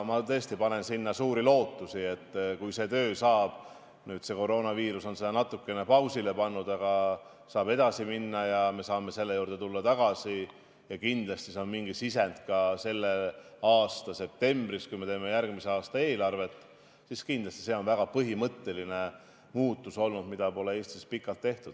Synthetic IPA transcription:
mɑt̪ɤ̞ːst̪ipɑne̞nsinːɑsuːɾilo̞ːt̪ːusie̞t̪ːkujse̞ːt̪øːsɑːb̥ | nyːt̪se̞ko̞ɾo̞ːnɑviːɾuso̞nsed̪ɑnɑt̪ːˑukːˑe̞nepɑwsile̞pɑnːud̪̥ɑɡ̥ɑ | sɑːbe̞d̪̥ɑsiminːɑjɑme̞sɑːme̞se̞lːe̞juːrd̪e̞t̪ulːɑt̪ɑɡ̥ɑsi | jɑkind̪lɑst̪iseonmiŋɡisisend̪kɑse̞lːe̞ɑːst̪ɑse̞p̚t̪e̞mbriskujme̞t̪e̞ːme̞jærɡmise̞ɑːst̪ɑe̞ːlɑrve̞t̪ːˑ | siskind̪lɑst̪i̥se̞ːo̞nvæɡ̥ɑpɤɦimɤt̪ːe̞line̞ | muːt̪ːˑuso̞lnud̪mid̪ɑpo̞le̞e̞ːst̪ispikːˑɑlt̪ːe̞ht̪ud̪

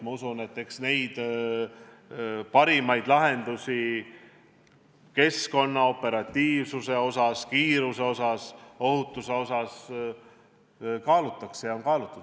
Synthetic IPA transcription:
mɑusune̞t̪ːeksne̞jd̪̥ | pɑɾimɑjd̪̥lɑɦe̞nd̪̥usi | ke̞sko̞nːɑo̞pːˑe̞ɾɑt̪ːiːvsuse̞o̞sɑskiːɾuse̞o̞sɑso̞ɦut̪ːˑuse̞o̞sɑs | kɑːlut̪ːˑɑksejɑo̞nkɑːlut̪ːˑud̪̥

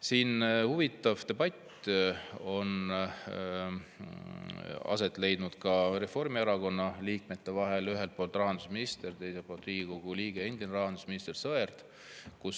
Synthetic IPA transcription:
siːnhuvit̪ːˑɑvt̪e̞b̥ɑt̪ʲː | o̞n | ɑ̰se̞t̪ːˑle̞jd̪̥nud̪̥kɑre̞fo̞rmieɾɑko̞nːɑliːkme̞t̪ːe̞vɑɦe̞lyɦe̞lt̪̚po̞ːlt̪ːˑrɑɦɑnd̪usminist̪e̞rt̪e̞jselpolt̪riːɡ̥ʲiko̞ɡ̥uliːɡ̥e̞end̪̥ineɾɑɦɑnd̪̥usminist̪ersɤert̪ | kus

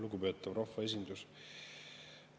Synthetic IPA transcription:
luɡupø̞ːt̪ːˑɑvrɑhːɑe̞s̬ʲind̪̥us

